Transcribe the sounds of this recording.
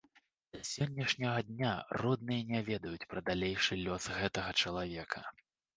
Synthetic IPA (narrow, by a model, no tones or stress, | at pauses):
d̪̥ɐsʲɔnʲːɐʂnʲɐɣɐd̪ʲnʲarɔd̪̚nɨjɐnʲavʲɛd̪ɐjut͡sʲpɾɐd̪alʲejʂɨlʲɔsɣɛt̪ɐɣɐt͡ʂɐlˠavʲɛkʰɐ